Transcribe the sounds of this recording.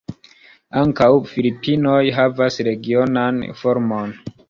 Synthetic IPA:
aŋkawfilipʰino̞jɦavasɾe̞ɡio̞nanfo̞ɾmo̞n

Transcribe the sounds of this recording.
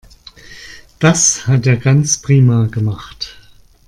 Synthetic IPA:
d̥ashateːɐɡant͡spʁ̥iːmaɡəmaχt

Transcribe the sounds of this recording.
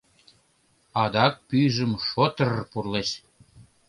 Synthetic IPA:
ɑd̪ɑk̚pyʒəmʃot̪ərpurleʃ

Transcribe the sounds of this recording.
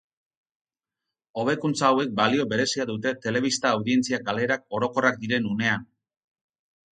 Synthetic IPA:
o̞β̞e̞kunt͡saːwe̞k̚balio̞βe̞ɾe̞siaðut̪̬e̞t̪e̞le̞β̞ist̪aːwðie̞nt͡siaɡale̞ɾak̚o̞ɾo̞ko̞rak̚d̪iɾe̞nune̞an

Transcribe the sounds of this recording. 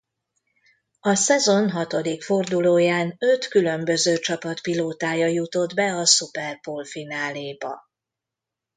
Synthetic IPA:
ɒsɛzo̞nɦɒt̪o̞d̪ikfo̞rd̪uloːjaːnøt̪kylø̞mbø̞zøːt͡ʃɒpɒt̪piloːt̪aːjɒjut̪o̞d̪bɛɒsupɛrpoːlfinaːleːbɒ̰

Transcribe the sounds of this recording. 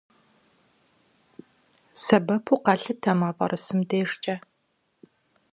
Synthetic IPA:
sɐbɐpʰuqɑɬɨtʰɐmɐfʼɐ̰rɨsɨmdeːʂt͡ʃʼɐ

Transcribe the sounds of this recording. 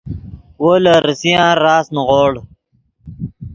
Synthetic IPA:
woːlɐɾisijãːɾaːsnʁoːɽ

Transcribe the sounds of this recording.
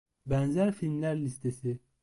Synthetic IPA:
bænzæɾfilmlæɾlist̪ʰesi

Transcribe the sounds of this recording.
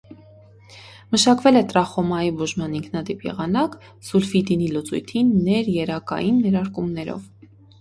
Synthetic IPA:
məʃɑkvɛlɛt̪ɾɑχɔmɑjibuʒmɑniŋkʰnɑd̪ipjɛ̰ʁɑnɑk | sulfid̪inilut͡sṵjt̪ʰinːɛɾjɛɾɑkɑ̰jinːɛɾɑɾkumnɛɾɔ̰v

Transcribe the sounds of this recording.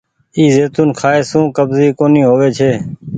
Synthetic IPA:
iːzeːt̪uːnkʰaːeːsũːkəbziːkoːnĩːɦoːʋeːt͡ʃʰeː

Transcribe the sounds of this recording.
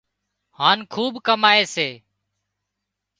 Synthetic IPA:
haːnkʰuːbkəmaːeːseː

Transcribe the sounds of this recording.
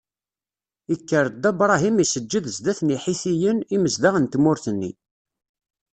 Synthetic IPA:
ikːəɾˤd̪æbɾˤɑɦimisəd͡ʒːiðzd̪æθniħiθijəniməzd̪aʁənt̪mʊɾθənːḭ

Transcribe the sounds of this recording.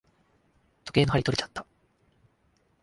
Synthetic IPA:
t̪o̞keːnohaɾit̪o̞ɾe̞t͡ɕḁt̪ːḁ

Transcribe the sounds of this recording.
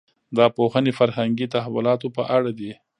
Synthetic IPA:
d̪ɑpoxənefaɾhaŋɡit̪ahawʊlɑt̪opəʔaɽad̪i

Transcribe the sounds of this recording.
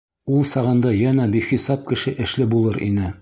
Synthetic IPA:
ulˠsɑʁɤ̆nd̪ɑjænæbiχisɑp̚kɘ̆ʃɘʔɘ̆ʃlɘbulˠɤɾʔḭnɘ

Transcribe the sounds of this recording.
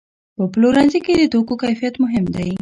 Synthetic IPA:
pəploɾanziked̪ət̪okokajfijat̪mʊɦɪmd̪aj

